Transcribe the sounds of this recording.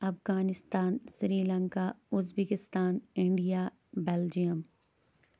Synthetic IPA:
ɐfɡaːnɪst̪aːnsɾiːlə̃ŋkaʊzbeːkɪst̪aːnɪ̃ɳɖijaː | beːld͡ʒijəm

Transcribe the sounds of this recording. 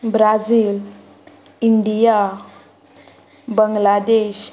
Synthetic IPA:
bɾad͡ziːl | iɳɖija | bəŋɡlad̪eɕ

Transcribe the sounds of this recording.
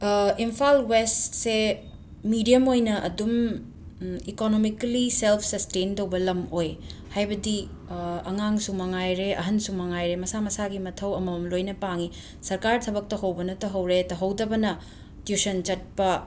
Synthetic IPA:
impʰalwestse | midijɐmojnɐʔɐ̰dum | ikonomikliselpʰsɐstentɐwbɐlɐmojhajbɐdi | ɐŋaŋsumɐŋajɾeʔɐ̰ɦɐnsumɐŋajɾemɐsamɐsaɡimɐtʰɐwɐmɐmlojnɐpaŋi | sɐɾkaɾtʰɐbɐk̚tɐɦɐwbɐnɐtɐɦɐwɾetɐɦɐwdɐbɐnɐ | tjusɐnt͡ʃɐt̚pɐ

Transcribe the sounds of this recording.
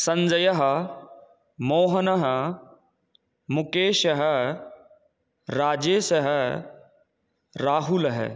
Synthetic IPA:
sɐ̃ɲd͡ʒɐjɐɦɐ̆ | moːɦɐnɐɦə̆ | mʊkeːʃɐɦə | ɾaːd͡ʒeːsɐɦə̆ | ɾaːɦulɐɦə̰

